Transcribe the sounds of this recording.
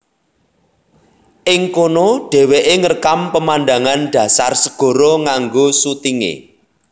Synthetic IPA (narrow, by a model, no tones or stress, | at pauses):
ʔɪŋkonoɖ̥ɛ̤weʔeŋərkampəmanɖa̤ŋanɖ̪̥ä̤sarsəɡ̥ɔ̤ɾɔŋaŋɡosut̪iŋḛ